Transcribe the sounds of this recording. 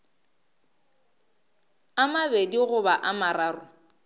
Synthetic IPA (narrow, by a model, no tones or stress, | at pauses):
amabediɣʊbaʔamaɾaːrʊ